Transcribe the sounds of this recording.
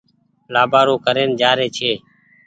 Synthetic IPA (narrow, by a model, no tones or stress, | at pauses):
laːbaːɾoːkəɾeːnd͡ʒaːɾeːt͡ʃʰeː